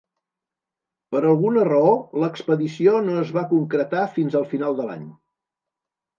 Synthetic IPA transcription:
pəɾəlˠɣunərəoləkspəðisionoəzβakuŋkɾət̪afinzəlˠfinalˠd̪əla̰ɲ

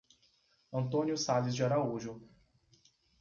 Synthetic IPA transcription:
ɐ̃nt̪õnjʊsalɪzd͡ʒɪaɾauʒʊ

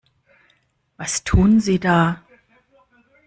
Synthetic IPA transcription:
vastʰuːnziːdaː

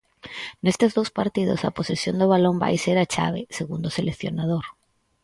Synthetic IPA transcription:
nest̪ɪzðowspaɾt̪iðʊ̰sa̰posesjond̪ʊβalomba̰jseɾat͡ʃa̰βɪ̰seɣund̪oselekθjonað̞oɾ

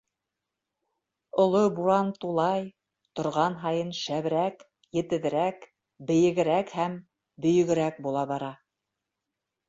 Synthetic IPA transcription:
ŏlˠobuɾɑnt̪ulˠɑj | t̪ŏɾʁɑnɦɑjɤnʃæβɘ̆ɾæk | jɘ̆t̪ɘ̆ðɘ̆ɾæk | bɘ̆jɘ̆ɡɘ̆ɾækhæm | bɵ̆jɘ̆ɡɘ̆ɾæk̚bulˠɑβɑɾɑ

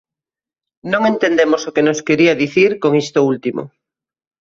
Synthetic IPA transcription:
nõŋent̪end̪emosokenoskeɾiɐðiθiɾkoŋist̪oult̪imo̰

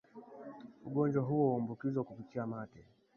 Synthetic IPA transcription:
uɠɔɲd͡ʒwaɦuwɔmbukizwakupitiamatɛ

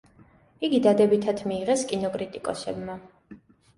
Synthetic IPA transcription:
iɡid̪ad̪ɛbit̪ʰat̪ʰmiːʁɛskʼinɔkʼɾit̪ʼikʼɔ̰sɛ̰bma

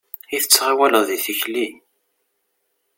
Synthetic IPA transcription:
iθə̥t͡sːʁawæləðiθəçlin

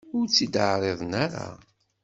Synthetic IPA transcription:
ʊɾt͡sːid̪əʕɾˤeðˤnaɾa̰

